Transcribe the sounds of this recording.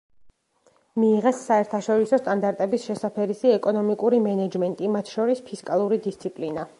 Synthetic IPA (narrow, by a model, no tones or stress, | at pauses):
miːʁɛsːaɛɾt̪ʰaʃɔɾisɔst̪ʼand̪aɾt̪ʼɛbisʃɛsapʰɛɾisiɛkʼɔnɔmikʼuɾimɛnɛd͡ʒmɛnt̪ʼimat̪ʰʃɔɾispʰiskʼalˠuɾid̪ist̪sʰipʼlina